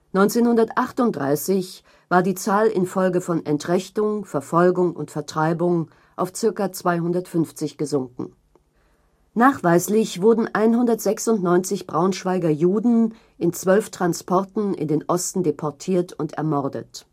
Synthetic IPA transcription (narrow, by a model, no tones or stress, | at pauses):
nɔʏnt͡seːnhʊndɐtʔaχtʊnt̚d̥ʁa̰ɪsɪç | vaːɐdiːt͡saːlɪ̰nfɔlɡəfɔnɛntʁ̥ɛçtʊŋfɛɐfɔlɡʊŋʊ̰ntfɛɐtʁ̥aɪbʊŋ | ʔaʊft͡sɪɐkat͡sv̥aɪhʊndɐtfʏnft͡sɪçɡ̥əzʊŋkŋ̩ | naːχv̥aɪslɪçv̥ʊɐdn̩ʔaɪnhʊndɐtz̥ɛksʊntnɔʏnt͡sɪçb̥ʁaʊnʃv̥aɪɡɐjuːdn̩ | ʔɪnt͡sv̥œlftʁ̥anspʰɔɐtn̩ɪ̰ndeːnʔɔstn̩depʰɔɐtʰiːɐtʰʊntɛ̰ɐmɔʁdə̰t